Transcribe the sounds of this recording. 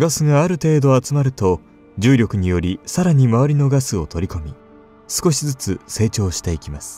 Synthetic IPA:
ɡasɨɡaːɾɯ̟t̪e̞ːd̪o̞at͡sɨmaɾɯ̟t̪o̞ | d͡ʑɨːɾʲo̞kɯ̟ɲ̟ijo̞ɾʲisaɾaɲ̟imaβaɾʲino̞ɡasɨo̞t̪ʰo̞ɾʲiko̞mʲi | sɨ̥ko̞ɕizɨt͡sɨse̞ːt͡ɕo̞ːɕi̥t̪e̞ikʲimasɨ̥

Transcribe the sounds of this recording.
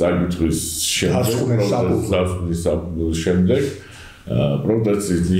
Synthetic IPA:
aɾɡit̪ʰʼχwisʃɛmad̪ɛɡɔd̪asknisaʃɛmd̪ɛɡ | pʼɾɔd̪ʼɛt̪sʰʼisni

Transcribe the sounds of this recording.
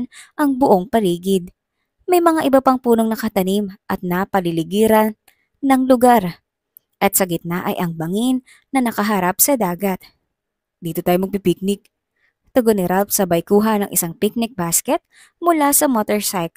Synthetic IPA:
nʔɐŋbʊʔo̞ŋpɐliːɡɪd̪̚ | mɐjmɐŋaʔɪbɐpɐŋpuːno̞ŋnɐkɐt̪ɐnimʔɐt̪̚napɐlɪlɪɡiːɾɐn | nːɐŋlʊɡaɾ | ʔɐt̪sɐɡɪt̪̚nɐʔɐ̰jʔɐŋbɐŋinː | ɐnɐkɐɦɐɾap̚sɐd̪aːɡɐt̪̚ | d̪iːt̪ot̪aːjomɐɡ̚pipik̚nɪk̚ | t̪oɡonɛɾalpsɐbɐjkuːɦɐnɐŋʔɪ̰saŋpɪk̚nɪk̚baskɛt̪̚ | mʊlasɐmot̪ɛɹsajk

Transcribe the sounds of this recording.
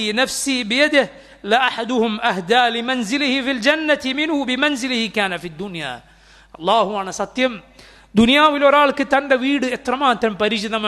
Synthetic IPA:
inɐfsiːbɪjɐd̪ɪh | lɪʔaħad̪ʊhʊmʔɐɦd̪aːlɪmɐnzɪlɪhɪfild͡ʒɐnːɐt̪ɪmɪnhʊbɪmɐnzɪlɪhɪkaːnɐfiːd̪ːʊnja̰ː | ʔɑlˤːaːɦʊaːnɐsɐt̪ːjɐm | d̪ʊnɪjaːʋɪlɔɾaːɭkːɨt̪ɐnɖɐʋiːɽɨɛt̪rɐmaːt̪ɾɐmpɐɾɪt͡ʃɪðɐmɐ

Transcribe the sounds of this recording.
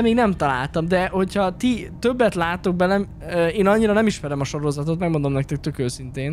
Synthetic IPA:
meːɡnɛmt̪ɒla̰ːlt̪ɒmd̪ɛho̞chɒt̪it̪øbːɛt̪laːt̪o̞ɡ̚bɛlɛm | eːnɒɲːiɾɒnɛmiʃmɛɾɛmɒʃo̞ɾo̞zɒt̪o̞t̪mɛɡmo̞nd̪o̞mnɛkt̪ɛk̚t̪økøːsint̪eːn

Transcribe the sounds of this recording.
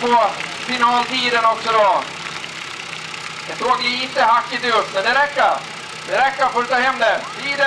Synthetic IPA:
posɪnaɔnt̪iːd̪ənɔksɔd̪ɔ | d̪ɛsoːɡjaɪnt̪əhakːɪt̪ɵsmɛnd̪ɛɾɛkːaɾ | d̪ɛɾɛkːaɾfɔɾʉt̪ʰɑːɦɛmːd̪ɛɾt̪ʰiːd̪ə

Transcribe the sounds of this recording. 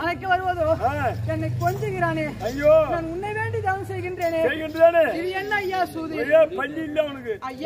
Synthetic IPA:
ɐnɐkːɯʋɐɾɯʋɐðoːɛnːɐkkːɔɲd͡ʒɯɣɪɾaːneːɐŋɡjoːnaːnʊnːɐɪʋeːɳɖit̪ɐʋɐmsɛjɣɪɳɖɾeːneːsɛjɣɪɳɖɐaːneɪðijɛnːɐɐjːaːsuːðieːpɐlːiɪlːaːɔnɐkːɯɐjː

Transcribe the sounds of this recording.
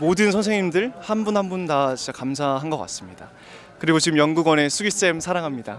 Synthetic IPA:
modɯnsʰʌns̬ʰe̞ŋɲimdɯɭhanbunhanbuntat͡ɕint͡ɕakamsʰaɦanɡʌk͈a̰s͈ɯmɲida | kɯɾiɡot͡ɕiɡɯmjʌnɡuɡwʌne̞sʰuɡis͈emsʰaɾaŋɦamɲida

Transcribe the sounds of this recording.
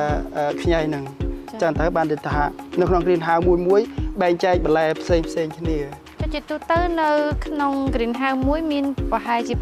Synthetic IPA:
ʔəkʰɲajnɨŋt͡ɕəŋt̪əwɓaːnrit̪ʰːaʔnɨwkʰnoŋkriənɦawmuəjmuəjɓaɛŋt͡ɕaɛk̚ɓɑlaɛpʰseːŋpʰseːŋkʰniə | t͡ɕ̪ot͡ɕiət̪uht̪əwnɨwkʰnoŋkriənɦawmuəjmiənpɑɦaɛt͡ɕiə

